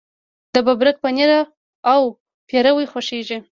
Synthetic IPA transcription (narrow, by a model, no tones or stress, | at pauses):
d̪̥əbabɾək̚pəniɾaː | w | pjeɾawəjxʊʃeʒi